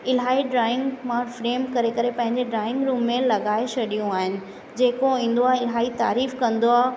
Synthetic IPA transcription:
ɪlɦaːiɖɾaːɪ̃ŋɡmãfɾeːmkɐɾekɐɾepɐ̃ɦɪ̃ɲd͡ʑeɖɾaːɪ̃ŋɡɾuːmːẽlɐɠaːet͡ɕʰɐɗijũaːɦɪnɪ̆ | d͡ʑeːkoĩːn̆d̪oaːɦẽɪlɦaːit̪a̰ːɾiːfkɐ̃nd̪oaːɦ

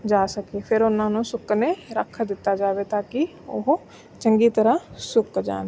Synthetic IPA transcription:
d͡ʒaːsəkepʰɪɾʊnãːnũsʊkneɾəkʰd̪ɪt̪ːaːd͡ʒaːʋeːt̪aːki | ʊɦ | t͡ʃəŋɡiːt̪əɾãsʊkd͡ʒa̰ːn

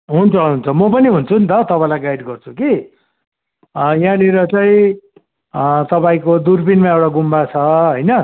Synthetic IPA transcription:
ɦunt͡sʰʌɦunt͡sʰʌmʌpʌniɦunt͡sʰunt̪ʌt̪ʌpãĩlajɡajiɖɡʌrt͡sʰuki | jãniɾʌt͡saĩ | t̪ʌpaĩkod̪urpinmaewʈaɡumbat͡sʰʌɦʌjnʌ

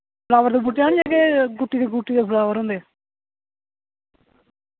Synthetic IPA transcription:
pəlaːʋəɾd̪eːbuʈːjãːneːkeːɡʊʈːiːd̪eːɡuʈːiːd̪eːpʰəlaːʋəɾɦõnd̪eː

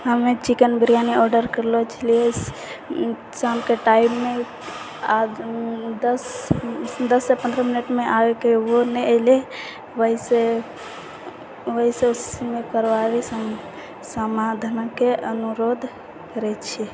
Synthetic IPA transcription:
ɦəmet͡ʃikənbiɾijaniɔɾɖəɾkəɾlot͡ʃʰilie | samkeʈaibme | a | əs | d̪əsːepə̃nd̪ɾəminəʈmeʔaekewonɛəɪle | ʋəise | ʋəɦiseosi̥simekəɾʋaɾisəm | səmad̪ʱənakeʔənuɾod̪ʱ | kəɾɛt͡ʃʰi

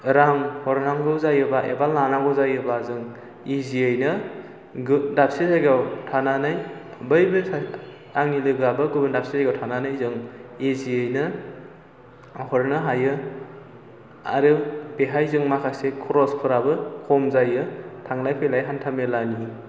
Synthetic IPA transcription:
ɾaŋhɔɾnaŋɡɯwzajɯbaʔḛbalnanaŋɡɯwzajɯbazɯŋ | iziejnɯ | ɡdap̚sizajɡawtʰananajʰbɯjbɯ | aŋilɯɡabɯɡɯbɯndap̚sizaɡawtʰananajzɯŋiziejnɯ | hɔɾnɯɦajɯ | a̰ɾɯb̥eɦajzɯŋmakʰasekʰuɾɔspʰɯɾabɯkʰɔmzajɯtʰaŋlajpʰejlajɦantʰamelani

